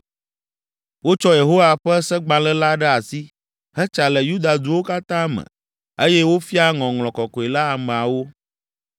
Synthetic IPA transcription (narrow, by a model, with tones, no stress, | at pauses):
wo˦t͡ʃɔ˦je˨ɦo˦wa˨ɸɛ˦sɛ˦ɡ͡bã˨lɛ˦la˦ɖɛ˦a˨si˦ | hɛ˦t͡ʃa˨lɛ˨ju˦d̪a˨d̪u˦wo˦ka˦t̪ã˦mə̰̃˨ | e˦jɛ˦wo˦fi˦a˦ŋɔ̃˨ŋl̃ɔ̃˨kɔ˨kɔ˨i˨la˦a˨mɛ̃˨a˨wo˦